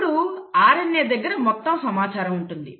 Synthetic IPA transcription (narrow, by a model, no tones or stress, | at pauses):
ɽuaːɾɐnːeːd̪ɐɡːɐɾɐmɔt̪ːɐmsɐmaːt͡ʃaːɾɐmuɳʈund̪i